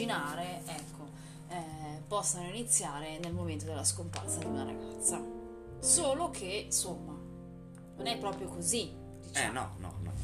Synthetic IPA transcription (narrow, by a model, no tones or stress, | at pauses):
inaːɾeɛkʰːo | ɛpɔsːanoinit̪sːjaːɾenelmoment̪od̪elːaskompa̰rsad̪iunaɾa̰ɡat̪sːa | soːlokʰensomːa | nonɛpːɾɔːpɾjokozi | d̪it͡ʃɛ̰nɔ̰nɔ̰nɔ̰